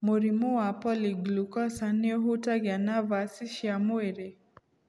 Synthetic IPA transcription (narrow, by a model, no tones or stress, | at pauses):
muɾimuwapɔliɡlukɔsaniɔɦutaɣanavasiʃiamweɾɛ